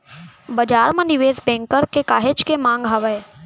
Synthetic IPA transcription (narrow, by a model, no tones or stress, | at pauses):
bəd͡ʒaːɾmãniʋeːzbɛ̃ːŋkəɾkekaːɦed͡ʒkemãːŋɡɦaʋəe